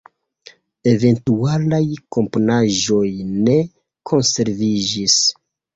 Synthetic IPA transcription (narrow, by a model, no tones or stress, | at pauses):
e̞ve̞ntualajko̞mpo̞naʒo̞jne̞ | kʰo̞nse̞ɾvid͡ʒis